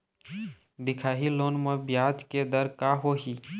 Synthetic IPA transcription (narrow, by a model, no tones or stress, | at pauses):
d̪ɪkʰaɦiloːnmebjad͡ʒked̪əɾkaɦoɦi